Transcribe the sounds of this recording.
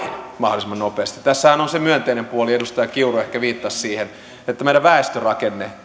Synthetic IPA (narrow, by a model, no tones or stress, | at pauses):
mɑholisimɑnnopeːst̪it̪t̪æsːæhænonsemyønt̪einempuoliedust̪ɑjɑkiuruehkæʋiːt̪ːɑssiːhen | et̪ːæmeiɾæʋæest̪ørɑkenːe